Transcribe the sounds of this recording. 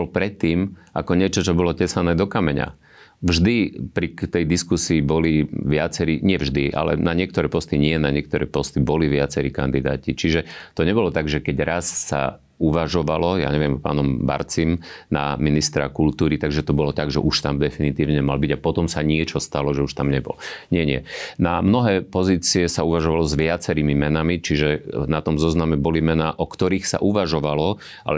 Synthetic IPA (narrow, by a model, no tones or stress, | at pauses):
bɔlpɾɛt̪ːiːmʔakɔɲɪɛt͡ʃɔt͡ʃɔbɔlɔcɛsanɛːd̪ɔkamɛɲa̰ | vʒd̪ipɾit̪ɛjd̪iskusiːbɔliʋɪat͡sɛɾiɲɪɛvʒd̪iʔa̰lɛ̰naɲɪɛk̚t̪ɔɾɛːpɔst̪iɲɪɛnaɲɪɛk̚t̪ɔɾɛ̰ːpɔst̪ibɔliʋɪat͡sɛɾiːkand̪id̪a̰ːcit͡ʃiʒɛt̪ɔɲɛbɔlɔt̪aɡʒɛkɛɟɾasːa̰ | uʋaʒɔʋalɔja̰ːɲɛʋɛmpa̰ːnɔmba̰ɾt͡simna̰minist̪ɾa̰kult̪uːɾit̪aɡʒɛt̪ɔbɔlɔt̪aɡʒɛ̰ʔuʃt̪amd̪ɛfinit̪iːʊɲɛmalbiɟapɔt̪ɔmsaɲɪɛt͡ʃɔst̪alɔʒɛuʃt̪amɲɛbɔ̰lɲɪɛɲɪɛnamnɔɦɛːpɔziːt͡siɛsauʋaʒɔʋalɔzʋɪat͡sɛɾiːmimɛnamit͡ʃiʒɛnat̪ɔmzɔznamɛbɔlimɛnaːʔɔkt̪ɔɾiːxsa̰ʔuʋaʒɔʋalɔ | ʔa̰lɛ